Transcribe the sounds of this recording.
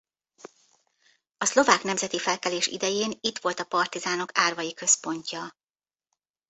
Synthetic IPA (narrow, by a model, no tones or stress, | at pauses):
ɒslo̞vaːknɛmzɛt̪ifɛlkɛleːʃḭd̪ɛjeːnit̪ʋo̞lt̪ɒpɒrt̪izaːno̞kaːrvɒjikø̞spo̞ɲcɒ